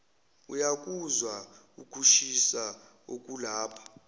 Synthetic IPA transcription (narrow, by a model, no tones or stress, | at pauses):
ujak̬ʼuzwa | ukʰuʃisa | ok̬ʼulaːpʰḁ